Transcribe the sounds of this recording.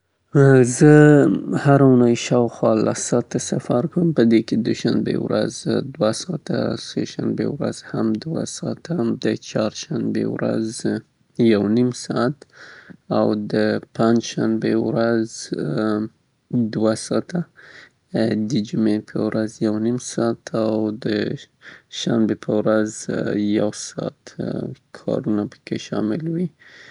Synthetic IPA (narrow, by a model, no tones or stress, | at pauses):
zəhaɾaunajʃɑwxwɑla̰sɑt̪ːasafaɾkəmpəd̪eked̪ʊʃanbḛwɾa̰zd̪wasɑt̪a̰sḛʃanbḛwɾa̰z̥hamd̪wa̰sɑt̪ad̪ət͡ʃɑɾʃanbḛwɾa̰z | jawnimsɑat̪ | awd̪əpand͡ʒʃanbewɾaz | d̪wasɑt̪a | d̪əd͡ʒumepʰəwɾazjawnimsɑt̪ʰawd̪ə | ʃambepʰəwɾazjawsɑ̰t̪kʰɑ̰ɾunapə̥keʃɑmɪlwi